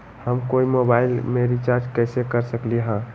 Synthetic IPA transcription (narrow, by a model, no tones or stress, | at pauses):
həmkoimobailmeɾit͡ʃaɾd͡ʒkəɪsekəɾsəkliɦã